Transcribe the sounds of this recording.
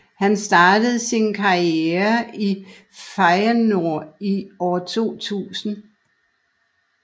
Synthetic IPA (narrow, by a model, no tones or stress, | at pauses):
hænsd̥ɑ̈ːd̥əð̞̩ˠsinkʰɑ̈ieɐi | fɑɪɐno̝ɐ̰iɒːt͡sʰo̝̰ːt͡sʰṵːsn̩